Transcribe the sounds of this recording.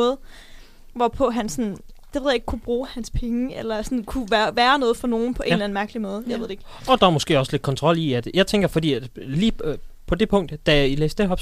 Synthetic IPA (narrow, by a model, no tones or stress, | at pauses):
ɔ̽ːð̩ˠ | ʋɒpʰɔ̽ɦænsɒ̽nnd̥eʋe̝ð̰ˠjeɡ̥̚kʰub̥ʁuːhænspʰeŋəelɐsɒ̽nkʰuʋæːɐʋæːɐnɔ̽ːð̞̩ˠfɒ̽no̝ːn̩pʰɒ̽e̝nlæn̩mæɐɡ̥əlimɔ̽ːð̞ˠjɑeð̰d̥ee̥ | ɒ̽d̥ɑæmosɡ̥e̝̰ːɒ̽sle̝d̥̚kʰɒnt͡sʰʁɒ̽l̰iæd̥jɑ̈ɪt͡sʰeŋɡ̥ɐfɒd̥ḭːæ̥liːpʰɒ̽d̥e̝pʰɔ̽ŋ̰d̥d̥æilḛːsd̥eɦɒ̽b̥